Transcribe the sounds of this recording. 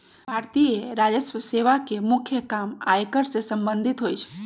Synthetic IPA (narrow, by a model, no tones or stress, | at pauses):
bʱaːɾt̪ieɾad͡ʒəsʋəseʋakemʊkʰjəkama̰jkəɾsesə̃mbə̃nd̪ʱɪt̪ɦoːjt͡ʃʰ